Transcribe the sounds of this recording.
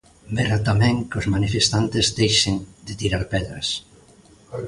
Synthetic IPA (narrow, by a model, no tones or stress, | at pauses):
beɾat̪amɛ̃ŋkʊzmanifest̪ant̪ɪzd̪ejʃend̪ɪt̪iɾaɾpɛðɾɐ̰s